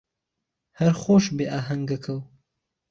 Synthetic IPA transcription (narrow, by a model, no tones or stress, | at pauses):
hɐɾxoːʃbeːʔaːɦɐŋɡɐkʰɐw